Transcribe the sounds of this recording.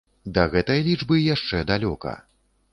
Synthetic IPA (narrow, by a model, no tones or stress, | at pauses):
d̪ɐɣɛt̪ɐjɐlʲid͡ʐbɨjaʂt͡ʂɛd̪alʲɔkɐ̰